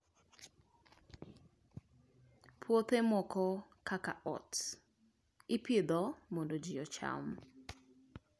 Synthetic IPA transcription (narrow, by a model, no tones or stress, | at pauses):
pʰwot̪emɔkɔkakaʔɔ̰t | ɪpɪd̪ɔmondod͡ʒɪjɔt͡ʃa̰m